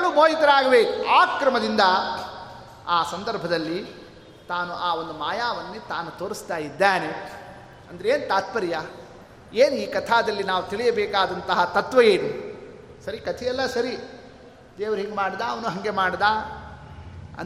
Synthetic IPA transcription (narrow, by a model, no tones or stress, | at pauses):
alumoːɦit̪ɐɾaːɡɐʋeaːkɾɐmɐd̪ind̪ɐ | aːsɐnd̪ɐɾbʱɐd̪ɐlːi | t̪aːnuʔaːo̞nd̪umaːjaːʋɐnːet̪aːnut̪oːɾist̪aːjid̪ːaːne | ɐnd̪ɐeeːnut̪aːt̪̚pɐɾja | eːnuiːkɐt̪ʰaːd̪ɐlːinaːʋut̪iɭijɐbɛːkaːd̪ɐnt̪ɐɦɐt̪ɐt̪ʋɐjeːnu | sɐɾikɐt̪ʰijɛlːɐsɐɾi | d̪eːʋɐɾɦiŋɡemaːɽd̪aːɐʋɐnuɦɐŋɡe̞maːɽd̪aː | ɐ̰n